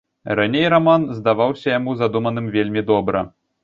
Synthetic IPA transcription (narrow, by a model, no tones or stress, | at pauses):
ranʲejɾamanzd̪aʋawsʲɐjamuzad̪umɐnɨmvʲelʲmʲid̪ɔbɾɐ̰